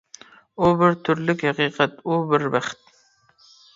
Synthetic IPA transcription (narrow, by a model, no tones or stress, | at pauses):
ʊbɪɾt̪ʰʊɾlɪkʲhɑqiːqʰɑt̪ubɪɾvæχt̪̚